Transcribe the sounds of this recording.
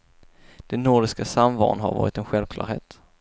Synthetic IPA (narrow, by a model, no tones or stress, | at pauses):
d̪̥ɛnnuɖɪskasamvɑ̰ːnɦa̰ɾvɑ̰ːɾɪt̪ɛnɧɛlvkʰlɑ̰ːɾheːt̪